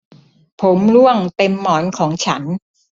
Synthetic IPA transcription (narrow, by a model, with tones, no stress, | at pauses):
pʰo˩˦mlu˥˩əŋt̪e˧mːɔː˩˦nkʰɔː˩˦ŋt͡ɕʰa˦˥n